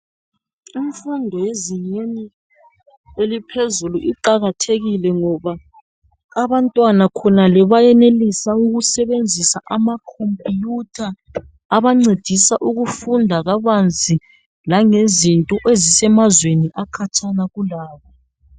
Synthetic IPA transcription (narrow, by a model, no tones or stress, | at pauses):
iɱfundʱɔjeziɲeni | elipʰezuluʔiǃaɣatʰeɣilɛŋɔβaː | βantʼwanakʰɔnalɛβajɛnelisauɣusɛβend͡zʱisaʔamakʰompʼijutʰaː | βaŋ͡ǀed̥ʱisaʔuɣufundʱaɣaβand͡zʱi | laŋezintʼɔʔezisɛmazweniʔakʰat͡ʃʰʼanaɣulaːβa